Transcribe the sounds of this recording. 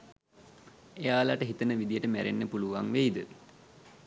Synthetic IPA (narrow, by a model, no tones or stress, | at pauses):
ejaːlaʈəɦit̪ənəʋid̪ijəʈəmæɾenːəpuluʋaŋʋeid̪ə